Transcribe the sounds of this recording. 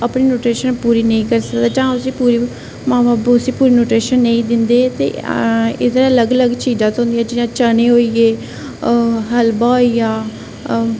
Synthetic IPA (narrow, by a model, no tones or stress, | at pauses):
əpniːnoːʈɾeːʃənpuːɾiːnəĩːkəɾsəkd̪aːd͡ʒãːʊsĩːpuːɾi | mãːbaːbʊsĩːpuːɾiːnoːʈɾeːʃənːəĩːd̪ɪnd̪eːt̪ḛːḛd̪ɾələɡələɡt͡ʃiːzãːt̪õɦʊ̃nd̪iãːd͡ʒɪjãːt͡ʃəneːɦoːiːeː | ɦəlbaːoijaː